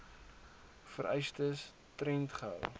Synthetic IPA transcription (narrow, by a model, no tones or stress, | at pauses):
fəɾʔɛjstəs | tɾɛntχəə̰l